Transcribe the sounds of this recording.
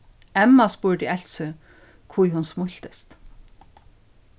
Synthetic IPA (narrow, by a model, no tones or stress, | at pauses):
ɛmːaspuɹt̪iɛlsʏ | kʰvujɦʊnsmʊl̥t̪ɪst̪